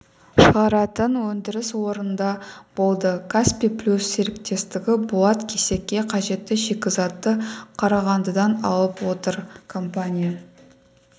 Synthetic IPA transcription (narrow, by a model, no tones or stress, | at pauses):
ʃəʁɑɾɑt̪ənwɵnd̪ɪɾɪswo̞ɾənd̪ɑb̥o̞lˠd̪əkʰaspipʰlʲusːe̞ɾɪp̚t̪e̞st̪ɪɡʲɪbuɑt̪kʲʰe̞se̞kʲːe̞qʰɑʒe̞t̪ːɪʒe̞kʲɪzɑt̪ːəqʰɑɾɑʁɑnd̪əd̪ɑnɑ̰lˠəpwo̞t̪əɾkʰo̞mpanʲija